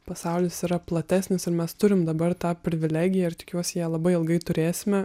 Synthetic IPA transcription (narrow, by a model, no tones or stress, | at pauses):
pɐsɑʊlʲɪsiːɾɐplˠɐt̪ʲæːsʲnʲɪsɪɾmʲɛst̪ʊɾʲɪmd̪ɐbɐrt̪ɑːpʲɾʲɪʋʲɪlʲæːɡʲɪjɛɪɾt̪ʲɪkʲuɔsʲɪjɛlˠɐbɐɪɪlˠɡɐɪt̪ʊɾʲeːssʲɪmʲɛ